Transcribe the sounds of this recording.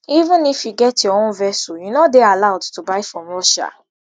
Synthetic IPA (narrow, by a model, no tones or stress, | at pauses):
ivũnifjuɡɛtjɔɔ̃nvɛsɔjunɔdealaʊdtubaɪfɹɔ̃mɹɔʃa̰